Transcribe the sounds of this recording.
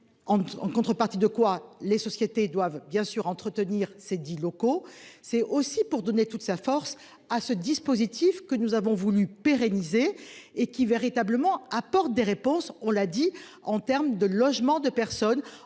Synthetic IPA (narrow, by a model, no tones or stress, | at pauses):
ɑ̃ɑ̰̃kɔ̃t̪χəpaʁt̪id̪əkwalesɔsjet̪ed̪wavbjɛ̃syʁɑ̃t̪χət̪əniʁsed̪ilɔkosɛosipuʁd̪ɔnet̪ut̪safɔʁs | asəd̪ispozit̪ifkənuzavɔ̃vulypeʁenizeːkʲiveʁit̪abləmɑ̃apɔʁt̪̚d̪eʁepɔ̃sɔ̃lad̪i | ɑ̃t̪ɛʁmd̪əlɔʒmɑ̃d̪əpɛʁsɔn